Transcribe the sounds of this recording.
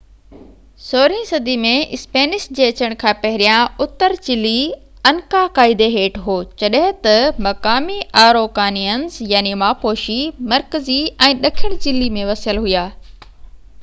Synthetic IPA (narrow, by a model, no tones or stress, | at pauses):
soːɾĩsɐd̪ʱimẽɪspeːnɪʃd͡ʑeːɐt͡ɕəɽ̃kʰãːpɐɦɪɾijãʊt̪ːəɾt͡ɕɪli | ɐnkakaːɪd̪eɦeːʈɦoːt͡ɕɐɗɦɪ̃t̪ɐmɐkaːmiʔaːɾoːkaːnijənzjaːnimaːpoːʃimɐɾkəziɛ̃ːɗɐkʰɪɽ̃t͡ɕɪlimẽʋɐsəlɦʊujaː